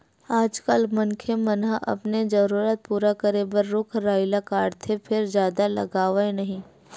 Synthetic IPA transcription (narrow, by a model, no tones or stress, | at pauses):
aːd͡ʒkəlmɐnkʰemɐnaʔɐ̰pned͡ʒɐɾuːɾət̪̚puːɾakəɾebəɾːʊkʰɾaːɪlakaːɖt̪ʰepʰɪɾzjaːd̪alɐ̰ɡaːʋaenɐɦĩ